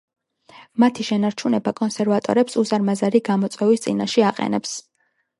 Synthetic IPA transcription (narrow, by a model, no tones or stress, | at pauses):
mat̪ʰiʃɛnaɾt͡ʃʰunɛbakʼɔnsɛɾvat̪ʼɔ̰ɾɛpsuzaɾmazaɾiɡamɔt̪sʼwɛvist̪sʼḭnaʃɛaqʼɛ̰nɛps